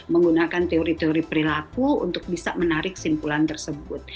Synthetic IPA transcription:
məŋɡunakant̪eoɾit̪eoɾipəɾilakuṵnt̪ʊk̚bisa̰mənaɾɪksimpulant̪ərsəbʊt̪̚

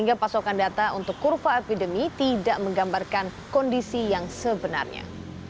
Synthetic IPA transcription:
iŋɡapasokandat̪aunt̪ʊkːurfaepidəmit̪idaʔməŋɡambarkankɔndisijaŋsəbəna̰rɲa̰

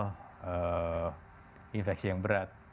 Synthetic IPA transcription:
ə | infɛk̚sijaŋbəɾat̪̚

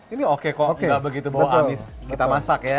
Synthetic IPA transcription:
iniokekɔŋɡaʔbəɡit̪ubawaɦamɪs | kit̪amasakja

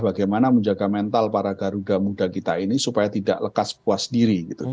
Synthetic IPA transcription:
baɡajmanaməɲd͡ʒaɡamɛnt̪alpaɾaɡaɾudamudakit̪ainisupajat̪ida̰ʔləkaskuasdiɾiɡit̪u

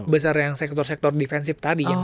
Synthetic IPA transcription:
bəs̬arjaŋsɛk̚t̪ɔrsɛk̚t̪ɔrdifɛnsɪft̪adi

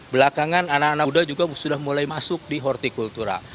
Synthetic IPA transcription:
bəlakaŋananakanadad͡ʒuɡasudahmulajmasʊk̚diɦɔrt̪ikult̪uɾa̰

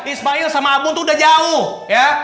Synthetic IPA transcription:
ismailsamaːɡʊŋt̪udad͡ʒaʊh | ja

